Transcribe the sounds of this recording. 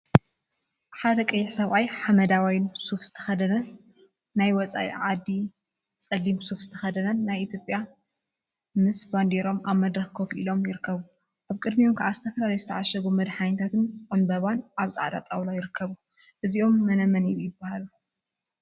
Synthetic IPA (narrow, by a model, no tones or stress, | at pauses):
ħad̪ɐkʼɨjːɪħsɐβʔajħamɐd̪awajnsufz̥ɨ̥t̪ʰɐxɐd̪ɐnɐnː | ajwɔt͡sʼa̰ʔḭʕad̪ːi | t͡sʼɐlːimsufzɨt̪ʰɐxɐd̪ɐnɐnːajit̪ʰjo̞pʼja | mɨsband̪eɾo̞maβmɐd̪ɾɐxkʰo̞fʔḭlo̞mjɪɾɨkʰːɐβu | ʔaβkʼɨd̪miomkʰaʕazɨt̪ʰɐfɐlalɐjzɨt̪ʰɐʕaʃɐɡomɨd̪ħajnt̪ʰat̪ʰɨnʕɨnbɐβanʔaβsʼa̰ʕd̪a̰t̪ʼawlajɪɾɨkʰːɐβu | ʔɨziʔo̞mːɐnɐmɐnijujɪbːahalu